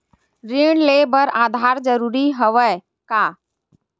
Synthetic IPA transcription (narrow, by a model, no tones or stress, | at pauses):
ɾiɳ̃lebəɾad̪ʱaɾd͡ʒəɾuɾiɦəʋə | kaː